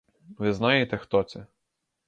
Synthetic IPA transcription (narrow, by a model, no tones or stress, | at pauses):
ʋɪznajet̪ɛxt̪ɔt̪sɛ